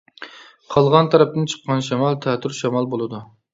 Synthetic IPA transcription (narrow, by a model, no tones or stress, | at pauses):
qʰɑlˠʁɑnt̪ʰɑɾɛp̚t̪ɨnt͡ʃʰə̥qːɑnʃɛmɑlˠt̪ʰɛːt̪ʰyɾʃɛmɑlˠbolˠɨd̪u